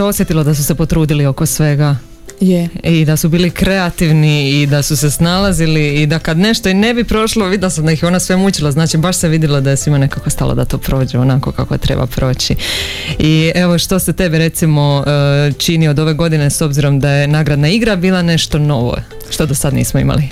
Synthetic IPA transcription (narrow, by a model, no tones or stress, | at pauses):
seo̞sjet̪ilod̪asuse̞po̞t̪ɾuːd̪ilio̞ko̞sʋe̞ɡa | jid̪asubiːlikɾe̞at̪iʋniːd̪asuse̞snalˠaziliːd̪akad̪ne̞ʃt̪oine̞bipɾo̞ʃloʋid̪jlasamd̪aixjeo̞ːnosʋe̞mut͡ɕilˠaznaːt͡ʃibaʃseʋid̪jilad̪ajesʋimane̞kakost̪a̰lˠo̰d̪a̰t̪o̞ːpɾo̞ːd͡ʑeonako̞̰ka̰kot̪ɾḛba̰pɾo̞ːt͡ɕi | ie̞ʋo̞ʃt̪o̞se̞t̪e̞biɾe̞t̪simo̞t͡ʃiniod̪o̞ʋe̞ɡo̞d̪ine̞so̞bziɾo̞md̪aje̞naːɡɾad̪naiɡɾabiːlˠane̞ʃt̪o̞no̞ʋo̰ | ʃt̪o̞d̪osad̪nḭːsmoḭma̰li